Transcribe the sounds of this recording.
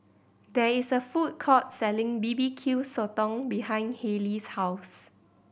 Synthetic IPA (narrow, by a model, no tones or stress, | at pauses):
dɛisəfut̚kʰɔt̚sɛlɪ̃ŋbibikʰisɔtɔ̃ŋbihãɪ̃nhelishaʊs